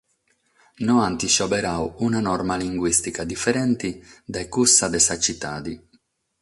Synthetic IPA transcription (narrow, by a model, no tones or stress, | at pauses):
nɔant̪iʃɔbɛɾawunanɔrmaliŋɡwist̪ikad̪ifːɛɾɛnt̪id̪ajkusːad̪ɛsat͡ʃit̪ːa̰ːd̪i